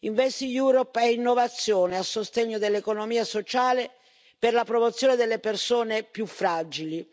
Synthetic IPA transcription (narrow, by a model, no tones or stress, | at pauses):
iɱvɛsijuːɾɔpɛinːovat̪sːjɔːneasːost̪eɲːod̪elːekonomiːasot͡ʃaːle | perlapɾɔmot̪sːjɔːned̪elːepersoːnepjufːɾad͡ʒili